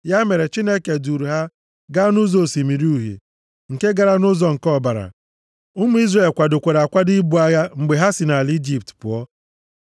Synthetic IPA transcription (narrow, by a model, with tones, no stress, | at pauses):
ja˦me˨ɾe˨t͡ʃi˦ne˦ke˨du˨ɾu˨ɦa˦ | ɡa˦nʊ˦zo˦˨si˨mi˨ɾi˦u˨ɦḛ˨ | ŋ̩˨ke˦ɡa˨ɾa˦nʊ˦zɔ˨ŋ̩˨kɔ˦˨ba˨ɾa̰˨ | ʊ˦mu˦i˦zre˨lkʷa˨dʊ˨kʷe˨ɾa˨kʷa˦di˦bu˨˦a˦ja˦ŋ͡m̩˨ɡ͡be˨ɦa˦si˨na˨li˦d͡ʒi˨p̚tpʊ̰˨ɔ˦